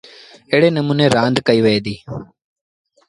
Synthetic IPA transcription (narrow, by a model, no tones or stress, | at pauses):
eːɽeːnəmuːneːɾãːnd̪kəiːʋəeːd̪iː